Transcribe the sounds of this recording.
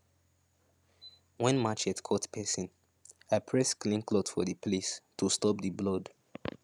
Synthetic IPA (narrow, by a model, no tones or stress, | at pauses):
wɛ̃nmat͡ʃɛtkʰɔtpʰɛsĩn | apʰɹɛsklĩnklɔdfɔðiplestʰustɔp̚diblɔd